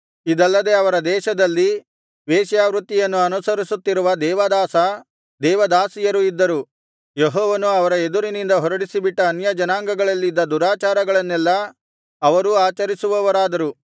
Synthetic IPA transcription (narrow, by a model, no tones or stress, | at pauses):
id̪ɐlːɐd̪e̞ɐʋɐɾɐd̪ɛːʃɐd̪ɐlːi | ʋeːʃjaːʋɾut̪ːijɐnːuɐnusɐɾisut̪ːiɾuʋɐd̪ɛːʋɐd̪aːsɐ | d̪ɛːʋɐd̪aːsijɐɾuid̪ːɐɾu | jeɦɔːʋɐnuɐʋɐɾɐe̞d̪uɾinind̪ɐɦɔɾɐɽisibiʈːɐːnjɐd͡ʒɐnaːŋɡɐɡɐɭɐlːid̪ːɐd̪uɾaːt͡ʃaːɾɐɡɐɭɐnːɛlːɐ | ɐʋɐɾuaːt͡ʃɐɾisuʋɐʋɐɾaːd̪ɐɾu